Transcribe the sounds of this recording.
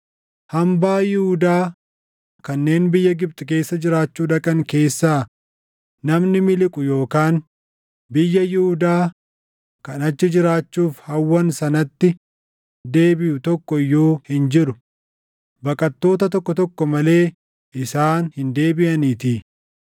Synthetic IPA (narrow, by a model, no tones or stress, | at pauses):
hɐmbaːjɪhʊd̪aː | kɐnːe̞ːnbɪjːɐɡɪb̚t̪ʼɪk̬e̞ːsːɐd͡ʒɪɾaːt͡ʃːuːᶑɐkʼɐŋke̞ːsːaː | nɐmnɪmɪlɪkʼʊjo̞ːkaːn | bɪjːɐjɪhʊd̪aː | kɐnɐt͡ʃːɪd͡ʒɪɾaːt͡ʃːuːfhɐwːɐnsɐnɐt̪ːɪ | d̪e̞ːbɪjʊt̪ɔkːɔjːoːhɪnd͡ʒɪɾʊ | bɐkʼɐt̪ːo̞ːt̪ɐt̪ɔkːɔt̪ɔkːɔmɐle̞ː | ʔɪsaːnhɪnd̪e̞ːbɪʔɐniːt̪iː